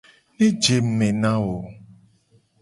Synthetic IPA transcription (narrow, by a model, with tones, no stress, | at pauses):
nĩ˦d͡ʒe˨m̩˨mẽ˨nã˦wo˨